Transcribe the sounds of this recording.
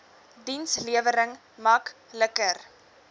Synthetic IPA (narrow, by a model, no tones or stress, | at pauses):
dinsliəvəɾəŋ | mɐkləkər